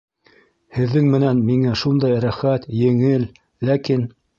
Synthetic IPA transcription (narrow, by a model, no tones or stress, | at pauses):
hɘ̆ðːɘŋmɘ̆nænmiŋæʃund̪ɑjɾæχæt̪jɘ̆ŋɘl | lækin